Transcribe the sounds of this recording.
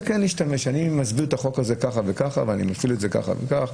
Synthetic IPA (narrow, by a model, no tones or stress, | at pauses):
keniʃtame̞ʃanimazbiʁt̪aχo̞kaze̞kaχavekaχa̰veanḭmafiletzeka̰χa̰vḛkaχ